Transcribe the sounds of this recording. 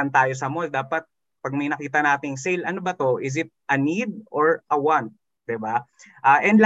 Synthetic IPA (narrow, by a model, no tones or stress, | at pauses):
ɐnt̪aːjos̬ɐmold̪aːpɐt̪̚ | pɐɡ̚mɐjnɐkiːt̪ɐnaːt̪ɪŋsejlʔɐnobɐt̪o̞ʔɪzɪt̪̚ʔɐnid̪̚oɹʔɐwant̪̚ | d̪ɪbaʔaːʔɛnd̪l